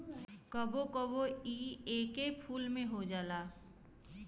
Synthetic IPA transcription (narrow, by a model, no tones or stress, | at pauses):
kəbokəboiːeːkepʰuːlmẽɦod͡ʒaːlaː